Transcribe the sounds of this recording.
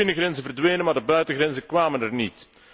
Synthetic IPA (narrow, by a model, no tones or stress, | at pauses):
ɪnəɣrɛnzənvərdʋeːnənmaːdəbœɥtəɣrɛnzəkʋaːmənɛrnit